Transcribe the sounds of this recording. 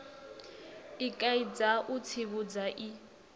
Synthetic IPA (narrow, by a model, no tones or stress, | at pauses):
ɪkʼaid͡zaʔʊt͡sʰiβud͡zaʔi